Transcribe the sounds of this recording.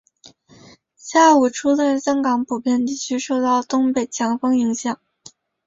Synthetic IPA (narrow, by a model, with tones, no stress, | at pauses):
ɕja˥˩u˨˩ʈ͡ʂʰu˥t͡sa˥˧˩nɕjɑ˥ŋkɑ˧˥ŋpʰu˨˩pjɛ˥˧nt̪i˥˩t͡ɕʰy˥ʂo˥˧ʊt̪ɑ˥˩ʊt̪ʊ˥ŋpe˨˩ɪt͡ɕʰjɑ˧˥ŋfɤ˥ŋi˧˥ŋɕjɑ˨˩˦ŋ